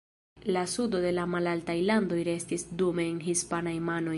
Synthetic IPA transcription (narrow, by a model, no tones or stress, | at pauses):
lasudo̞de̞lamalaltajlando̞jɾe̞stisdume̞ːnɦispanajmano̞j